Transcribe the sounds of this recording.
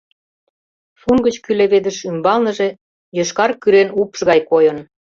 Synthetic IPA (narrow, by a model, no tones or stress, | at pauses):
fuŋɡə̆t͡ɕkyleβed̪ə̆ʃymbɑlnə̆ʒe | jə̆ʃkɑrkyɾenupʃɣɑjkojɤ̆n